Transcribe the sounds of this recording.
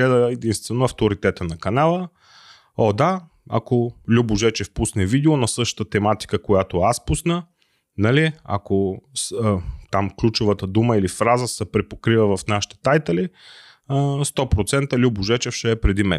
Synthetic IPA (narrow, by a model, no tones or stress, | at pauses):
lɛd̪əɛd̪inst̪vɛnoɐft̪oɾit̪ɛt̪ənɐkɐnalˠə | ɔd̪a | a̰kolʲubʊʒɛt͡ʃɛfpusnɛvid̪ɛonɐsɤʃt̪ə̥t̪ət̪ɛmat̪i̥kəkojat̪oaspusnə | nɐlia̰kost̪amklʲut͡ʃovət̪əd̪uməilifɾazəsəpɾɛpokɾivəvɐfnaʃi̥t̪ɛ̥t̪ajt̪ɛli | st̪ɔpɾot̪sɛnt̪əlʲubʊʒɛt͡ʃɛfʃɛːpɾɛd̪imɛ̰